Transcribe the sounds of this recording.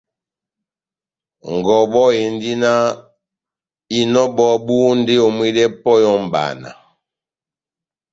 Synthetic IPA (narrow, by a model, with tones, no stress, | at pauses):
ŋ˨ɡɔ˨bɔ˦e˨n˦di˦na˦ | i˨nɔ˦bɔ˦bu˦n˦de˦o˨mwi˦dɛ˦pɔ˦jɔ˦m˨ba̰˨na̰˨